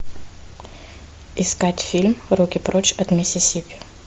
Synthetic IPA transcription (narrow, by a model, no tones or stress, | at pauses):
ɪskatʲfʲilʲmɾukʲɪpɾot͡ɕɐt̪mʲɪsʲɪsʲipʲɪ